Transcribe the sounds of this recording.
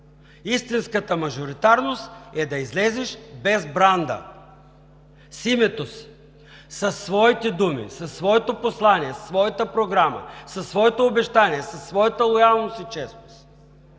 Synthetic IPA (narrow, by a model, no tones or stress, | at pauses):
ist̪inskət̪əmɐʒoɾit̪aɾnost̪ɛd̪ɐizlɛzɛʃbɛzbɾand̪ə̰ | simɛt̪osi̥ | sɐsːvɔit̪ɛd̪umḭsɐsːvɔɛt̪oposlˠaniɛssvɔjɐt̪əpɾoɡɾamə̰sɐsːvɔɛt̪oːbɛʃt̪aniɛsɐsːvɔjɐt̪əlˠojalˠnost̪it͡ʃɛsnost̪